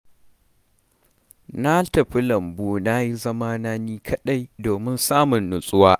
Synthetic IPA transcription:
na˦tɐ˨ɸi˦lɐ˨mbuː˦na˦ji˦zɐ˦maː˦naː˦niː˦kʰɐ˦ɗa˦jdoː˨mɪ˦nsaː˦mʊ˨nːʊ˨sʼʊ˦waː˦ʔ

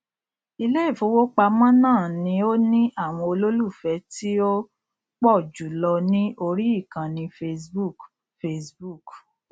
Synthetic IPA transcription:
i˧le˦i˦˨fo˨˦wo˦k͡pa˧mã˦nãː˦˨nĩ˧˦o˦nĩ˦ʔa˦˨w̃ɔ̃˧o˧lo˦lu˦˨fɛ˨˦ti˦o˦ | k͡pɔ˦˨d͡ʒu˨lɔ˧nĩ˦ʔo˧ɾi˦i˦˨kã˨nĩ˧fe˧sbu˦˨k | fe˧sbu˦˨k

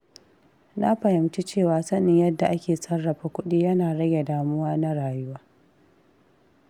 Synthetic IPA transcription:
na˦ɸɐ˨hɪ˨mt͡ʃi˦t͡ʃeː˦˨waː˦sɐ˦nɪ˨ɲjɐ˦dːa˨ʔa˦kʲeː˨sɐ˦ɽːɐ˨ɸaː˦kʷʊ˦ɗiː˦jɐ˦naː˨ɽɐ˦ɡʲe˨daː˨mʊ˦waː˦na˦ɽaː˨jʊ˦waː˦

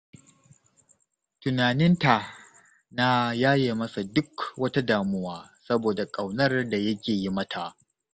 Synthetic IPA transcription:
tʊ˨naː˨nɪ˦nta˨ | na˦jaː˦jeː˨mɐ˦sa˨dʊ˦kwɐ˦ta˦daː˨mʊ˦waː˦sɐ˦boː˨da˨kʼɐ˨wnɐ˦rda˨jɐ˦kʲeː˨ji˦mɐ˦tʰa˨ʔ

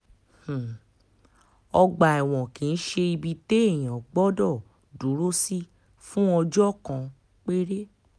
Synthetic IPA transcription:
h̩˨ | ɔ˧ɡ͡ba˨ɛ˨w̃ɔ̃˨kĩ˨˧n̩˦ʃe˧i˧bi˧te˦e˦˨j̃ã˨ɡ͡bɔ˦dɔ˦˨ | du˨˦ɾo˦si˦ | fũ˦ɔ˧d͡ʒɔ˦˨kã˧ | k͡pe˦ɾe˦

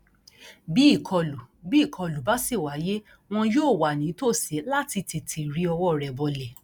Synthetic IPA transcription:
bi˦i˦˨kʰɔ˧lu˨ | bi˨˦˨kʰɔ˧lu˨ba˨˦se˦˨wa˨˦je˦ | w̃ɔ̃˧joː˦˨wa˨nĩ˨˦to˦˨se˨˦la˦ti˧ti˨tʰi˨ɾi˧˦ɔ˧wɔ˦˨ɾɛ˨bɔ˨lɛ˨

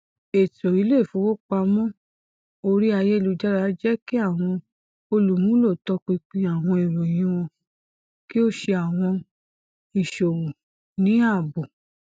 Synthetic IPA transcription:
e˨to˨i˨˦le˦˨fũ˨˦wo˦k͡pa˧mɔ̃˦ | o˧ɾi˦a˧jɛ˦i˧lu˧d͡ʒa˦ɾa˧˨˦d͡ʒɛ˦ki˦a˦˨w̃ɔ̃˧ | o˧lu˨mũ˦lo˦˨tɔ˧k͡pi˧k͡pĩ˧˦a˦˨w̃ɔ̃˧i˨ɾo˨j̃ĩ˧˦w̃ɔ̃˧ | ki˦o˦ʃe˧a˨w̃ɔ̃˧ | i˨ʃo˨wo˨ | nĩ˨˦a˦˨bo˨

